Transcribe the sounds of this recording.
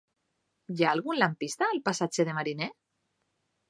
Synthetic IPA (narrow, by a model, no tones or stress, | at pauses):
jaːlɣunlampist̪aːlpasat͡ʃeðemaɾine